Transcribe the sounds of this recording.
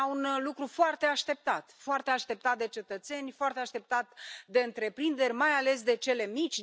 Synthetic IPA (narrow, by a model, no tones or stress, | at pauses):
unlukɾufoart̪e̞aʃt̪e̞p̚t̪at̪foart̪e̞aʃt̪e̞p̚t̪at̪̚d̪e̞t͡ʃe̞t̪ət̪se̞nʲfoart̪eaʃt̪e̞p̚t̪at̪d̪e̞ɨnt̪ɾe̞pɾind̪e̞ɾʲmajale̞s̬d̪e̞t͡ʃe̞le̞mit͡ʃʲ